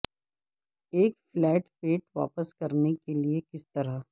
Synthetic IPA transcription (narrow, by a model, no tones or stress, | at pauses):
eːkflɛːʈpeːʈʋa̰ːpəskɐɾnekeliekɪst̪ɐɾa